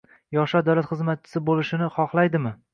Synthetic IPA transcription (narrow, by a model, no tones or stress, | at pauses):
jɒʃad̪awlat̪χɨzmat̪̚t͡ʃʰɪ̥sɪbolɪʃɪnɪχɒχlˠajd̪ɪmɪ